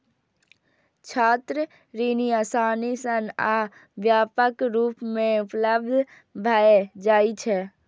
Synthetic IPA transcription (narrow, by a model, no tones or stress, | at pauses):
t͡ʃʰaːt̪ɾə | ɾiniasaːnisəna | ʋjaːpəkɾuːpmẽupləbd̪ʱ | bʱaed͡ʒaːit͡ʃʰɛ